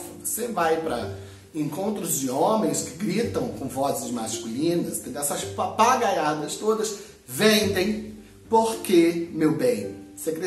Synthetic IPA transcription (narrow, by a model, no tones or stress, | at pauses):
vosevajpɾɐ | ẽkõnt̪ɾʊzd͡ʒɪõmẽj̃skɪ̥ɡɾit̪ɐ̃w̃kõw̃vɔzɪzmaskulĩnɐst̪ẽnd̪eɛsɐspapaɡajad̪ɐst̪od̪ɐs | vẽnd̪ẽj̃ | poɾkemewbẽj̃sekɾe